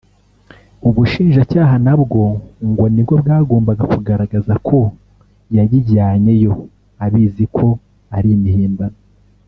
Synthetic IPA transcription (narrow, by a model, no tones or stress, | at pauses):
uβuʃiːnʒacaːɦanabɡo̞ŋɡonibɡo̞bɡaːɡo̞ːmbaɡakuɡaɾaɡazakʰo̞ | jaɟiɟaːɲe̞jo̞ | aβiːzikʰo̞ | aɾimihiːmbano